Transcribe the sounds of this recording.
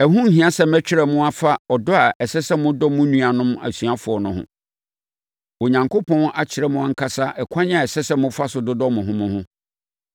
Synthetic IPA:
ɛ˨ɦʊ̃˦ŋ̩˦ɦĩ˨a˦sɛ˦mɛ̃˦t͡ɕᶣɪ˦ɾɛ˦mʊ̃˦a˨fa˦ɔ˨dʊ˦a˨ʔɛ˨sɛ˦sɛ˦mʊ̃˦dɔ˦mʊ̃˦nũ˦a˨nʊ̃˦ma̰˨sɥa˦fʊ˨ɔ˨nʊ̃˦hʊ̰̃˦ | wo˨ɲã˨ŋkʰo˦pʰɔ̃˦na˦t͡ɕʰɪ˨ɾɛ˦mʊ̃˦a˦ŋ̩˦kʰa˦sa˦ʔɛ˨kʰã˦ɲɪ̃˦a˨ɛ˨sɛ˦sɛ˦mʊ̃˦fa˦sʊ˨dʊ˦dɔ˦mʊ̃˨ɦʊ̃˦mʊ̃˦hʊ̃˦

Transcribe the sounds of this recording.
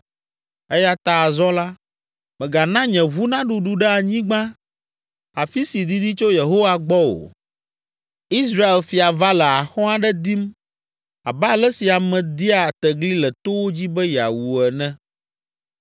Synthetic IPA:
ɛ˦ja˦t̪a˨zɔ̃˦la˦ | mɛ̃˨ɡa˨nã˦ɲɛ̃˨βu˦nã˦ɖu˨ɖu˨ɖɛ˦a˨ɲĩ˦ɡ͡bã˦ | a˨fi˦si˨d̪i˦d̪i˦t͡ʃo˦je˨ɦo˦wa˨ɡ͡bɔ˦o̰˨ | i˦s̬ɾa˦e˨lfi˨a˨va˦lɛ˨a˨xɔ̃˦a˦ɖɛ˦d̪i˦m | a˨ba˦˨lɛ˦si˨a˨mɛ̃˨d̪i˦a˨t̪ɛ˨ɡli˦lɛ˨t̪o˦wo˦d͡ʑi˦bɛ˦ja̰˨wu˨ɛ˨nɛ̃˦

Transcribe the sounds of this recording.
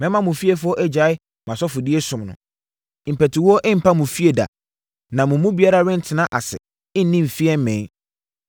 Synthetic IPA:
mɛ̃˦mã˦mʊ̃˨fi˦ɛ˨fʊ˦ɔ˦ʔɛ˦d͡ʑa˨˦ɪ˦ | mã˨sɔ˦fʊ˨di˦ɛ˦sʊ̃˨mnʊ̰̃˨ | m̩˨pɛ˨tʰɪ˨wɔ˦ʔɪ˦m̩˨pʰa˦mʊ̃˨fi˦e˨da̰˨ | nã˨mʊ̃˨˦mũ˦bi˨a˦ɾa˦ɾɪ̃˦n̩˦tʰɪ˨nã˦ʔa̰˨sɛ̰˨ | ɪ˦n˦nĩ˦m̩˨fi˦ɛ˦m˦mɛ̃˨˦

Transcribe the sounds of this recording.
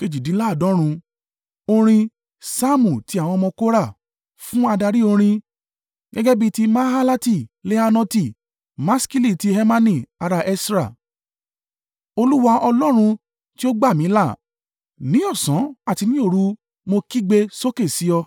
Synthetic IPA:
ke˧d͡ʒi˨dĩ˨˦la˦˨dɔ̃˨˦ɾ̃ũ˧ | o˧ɾ̃ĩ˧ | sa˦mũ˨ti˧˦a˨w̃ɔ̃˧mɔ̃˧ko˦ɾa˦˨ | fũ˦a˧da˧ɾi˦o˧ɾ̃ĩ˧ | ɡɛ˦ɡɛ˦bi˧ti˦˧ma˦ɦa˦la˦ti˦˨le˦a˧nɔ̃˧ti˦˨ | mã˦ski˦li˦˨ti˧˦hɛ˧mã˧nĩ˦˨a˧ɾa˧ʔɛ˦˧sɾa˦˨ | o˧lu˦wa˧ɔ˧lɔ˦ɾ̃ũ˧ | ti˦o˦ɡ͡ba˦˨mĩ˨˦la˦˨ | nĩ˦ɔ˦˨sɔ̃˨˦a˦˨ti˧nĩ˦o˦˨ɾu˨˦ | mo˧ki˦ɡ͡be˧so˦ke˦˨si˨˦ɔ˧

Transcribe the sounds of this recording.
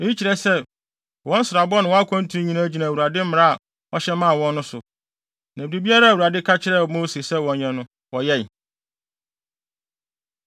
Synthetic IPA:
e˨˦i˦t͡ɕʰi˨ɾɛ˨sɛ˦ | wɔ̃˦n̩˦sɪ˨ɾa˨bɔ˦nʊ̃˨wɔ̃˦a˦kʰɔ̃˦n̩˦tʰu˦ɾĩ˦ɲĩ˨nã˦d͡ʑi˨nã˨wu˨ɾa˨dɪ˦m˦mɪ̃˨ɾa˦a˨ | ɔ˦ɕɛ˦mã˦˨wɔ̃˦nː˦ʊ̃˦sʊ˨ | næ̃˨bi˨di˨bi˦a˦ɾa˦˨wu˨ɾa˨dɪ˦kʰa˦t͡ɕʰɪ˦ɾɛ˦˨mo˦se˨sɛ˦wɔ̃˨ɲɲɛ̃˨nʊ̃˦ | wɔ˨jɛ˦˨

